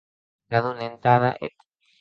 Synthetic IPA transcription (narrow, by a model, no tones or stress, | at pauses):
ɡaðunẽnt̪aðaʔḛt̪e̥